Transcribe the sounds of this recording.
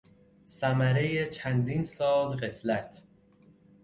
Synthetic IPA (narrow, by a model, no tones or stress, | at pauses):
sæmæɾejet͡ʃʰænd̪iːnsɒːlɣeflæt̪ʰ